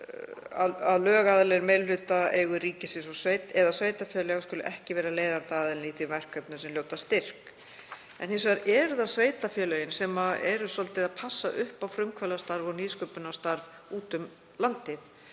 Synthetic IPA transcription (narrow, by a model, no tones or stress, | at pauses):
a̰ðaðlœːɣaðlɛɾmɛllʏːt̪aɛɣʏɾiːcɪsɪsɔseːjt̪ɛðasveːjt̪afjɛːlɛɣaskʏlʏʔɛhcɪvɛːɾaleːjðant̪aaːðɪlniθiɾmɛr̥kːœpnʏsɛmljoːwt̪ast̪ɪr̥k | ɛ̰nhɛsaɾʔɛɾðasveːjt̪afjɛːlœjɪnsɛmaɛɾʏsɔlt̪ɪðaðpʰasːaʔʏhpawfɾʏmkʰvœlast̪aɾvɔɣniːðskœpʏnast̪aɾv | uːt̪ʏm | lant̪ɪθ